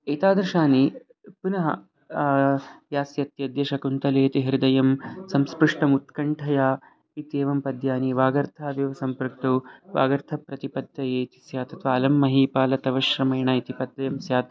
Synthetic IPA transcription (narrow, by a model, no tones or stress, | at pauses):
eːt̪aːd̪ɾʃaːni | punɐɦɐ̰ | ʋjaːsjɐt̪jɐd̪jeːʃɐkunt̪ɐleːɐt̪iɦiɾd̪ɐjɐmsɐmspɾuʂʈɐmut̪kɐɳʈʰɐjaː | it̪eːʋɐmpɐd̪jaːniʋaːɡɐɾt̪ʰaːʋjɐʋɐsɐmpɾk̚t̪uʋa̰ːɡɐɾt̪ʰɐpɾɐt̪ipɐd̪jɐjeːt̪i̥sjaːt̪ɐt̪ʰʋaːlɐmːɐɦiːpaːlɐt̪ɐʋɐʃɾɐmɐjɳɐit̪ipɐd̪ːɐjɐmsjaːt̪